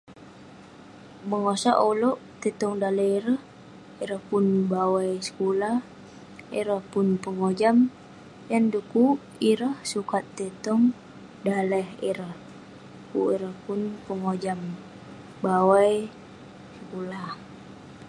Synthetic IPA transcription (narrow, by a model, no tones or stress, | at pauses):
məŋosa̰ʔolɔʔt̪et̪ɔŋdaləiɾəh | iɾəhpunbawaijsə̥kulah | iɾəhpunpəŋod͡ʒam | janduku | iɾəhsukat̪ːet̪ɔŋ | dalɛhiɾəh | kuiɾəhpʊnpəŋod͡ʒam | bawaj | səkulah